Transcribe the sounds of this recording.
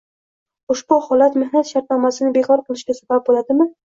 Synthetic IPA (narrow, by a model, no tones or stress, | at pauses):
ʊʃbʊhɒlat̪mɪhnat̪ʃaɾt̪̚nɒmasɪnɪbekʰɒɾqʰɨlˠɪʃɡʲasabab̚bolad̪ɪmɪ